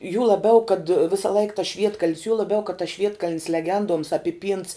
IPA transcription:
juː lˠɐˈbʲɛʊ kɐt ˈʋʲɪsɐ lˠɐɪk tɐs ˈʃʲʋʲiɛtkɐlʲnʲs juɔ lˠɐˈbʲɛʊ kɐt tɐs ˈʃʲʋʲiɛtkɐlʲnʲs lʲɛˈɡʲɛnduɔms ɐpʲɪˈpʲiːnts

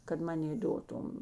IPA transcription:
kɐt ˈmɑːnʲeː ˈdoːtʊm

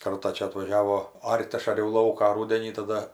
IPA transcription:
ˈkɐrtɑː ˈt͡ʃʲɛ ɐtʋɐˈʒʲæːʋoː ˈɐrʲtʲ ˈɐʃ ɐˈrʲɛʊ ˈlˠɐʊkɑː ˈruːdʲɛnʲiː tɐˈdɐ

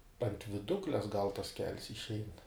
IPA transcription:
ɐnt ʋʲɪˈdʊklʲɛs ɡɐlˠ tɐs kʲɛlʲs ɪʃʲˈɛɪn

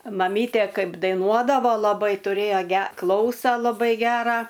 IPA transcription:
mɐˈmʲiːtʲeː ˈkɐɪp dɐɪˈnuɔdɐʋoː lˠɐˈbɐɪ tʊˈrʲeːjoː ˈɡʲɛ ˈklˠɐʊsɐ lˠɐˈbɐɪ ˈɡʲæːrɑː

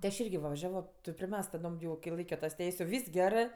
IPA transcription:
tʲɪ ɐʃ ˈɪrʲɡʲɪ ʋɐ ʋɐˈʒʲæːʋoː ˈtoː pʲrʲɪˈmʲɛsk tɐˈdoːm jɛʊ kʲɪ ˈlˠɐɪkʲoː tɐs ˈtʲɛɪsʲ jɛʊ ˈʋʲiːs ɡʲɛrɜ

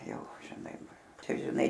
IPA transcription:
ˈjɛʊ ʒʲɪˈnɐɪ ˈt͡ʃʲɛ ʒʲɪˈnɐɪ

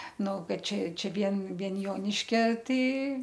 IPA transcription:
ˈnʊ ˈkɐt ˈt͡ʃʲɛ ˈt͡ʃʲɛ ˈʋʲiɛn ˈʋʲiɛn ˈjoːnʲɪʃʲkʲɛ ˈtɐɪ

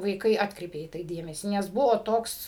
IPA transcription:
ʋɐɪˈkɐɪ ˈɑːtkrʲɛɪpʲeː dʲeːmʲɛsʲiː nʲɛs ˈbʊʋoː ˈtoːks

